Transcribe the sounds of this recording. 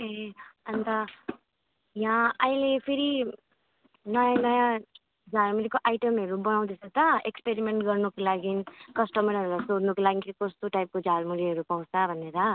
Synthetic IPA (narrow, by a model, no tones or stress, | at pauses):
eʌnt̪ʌ | jãʌilepʰeɾi | nʌjãnʌjã | d͡zʱalmuɾikoʔajʈʌmɦʌɾubʌnaw̃d̪et͡sʰʌt̪ʌekspeɾimeɳʈɡʌrnukolaɡinkʌsʈʌmʌɾʌɾulasodnukolaɡinkost̪oʈajp̚kod͡zʱalmuɾiɦʌɾupaw̃t͡sabʱʌneɾʌ